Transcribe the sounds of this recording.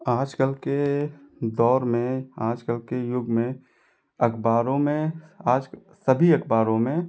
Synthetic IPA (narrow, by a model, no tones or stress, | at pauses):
aːd͡ʒkəlke | d̪ɔːɾmẽaːd͡ʒkəlkejʊɡmẽ | ɐkʰbaːɾõmẽaːd͡ʒk | səbʱiɐkʰbaːɾõmẽ